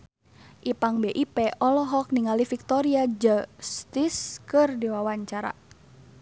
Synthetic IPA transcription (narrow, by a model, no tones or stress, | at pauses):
ʔipaŋbeʔipɛʔɔlɔɦɔk̚niŋalifik̚t̪ɔɾiad͡ʒəst̪iskɨrdiwawaɲt͡ʃaɾa̰